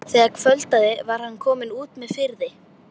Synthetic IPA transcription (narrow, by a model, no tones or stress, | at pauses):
θɛːɣakʰfœlt̪aðɪvaɾ̥hanːkʰɔːmɪnuːt̪mɛðfɪɾðɪ